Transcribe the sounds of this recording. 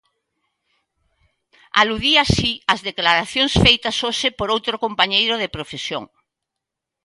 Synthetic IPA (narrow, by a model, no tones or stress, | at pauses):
a̰luðiasiɐzðeklaɾaθjoŋsfejt̪ɐsoʃepoɾowt̪ɾokompaɲejɾʊðepɾofesjo̰ŋ